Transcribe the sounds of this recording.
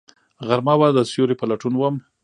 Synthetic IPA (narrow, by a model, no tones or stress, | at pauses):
ɣaɾmawad̪əsjoɾepalaʈunwəm